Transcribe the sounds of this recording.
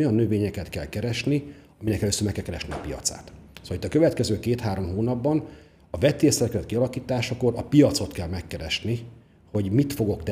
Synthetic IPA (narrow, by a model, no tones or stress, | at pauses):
ojɒnːøveːɲɛkɛt̪kɛlkɛɾɛʃni | ɒminɛkɛløːsøːrmɛkːɛlkɛɾɛʃniɒ̰pijɒ̰t̪sa̰ːt̪soːlit̪ːɒkø̞vɛt̪kɛzøːkeːt̪haːɾo̞mɦoːnɒbːɒn | ɒvɛt̪eːsɛrkɛzɛt̪̚kiɒlɒkiːt̪aːʃɒko̞ɾɒpijɒt̪so̞t̪kɛlmɛkːɛɾɛʃni | ho̞ɟmit̪fo̞ɡo̞kt̪ɛ